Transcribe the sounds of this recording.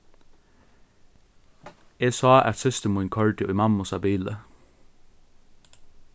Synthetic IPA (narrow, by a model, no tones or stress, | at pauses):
eːsɑːʔæt̪sɪst̪əmʊʏnkʰœɹʈɪʔiːmɑmʊsɑbiːlə̰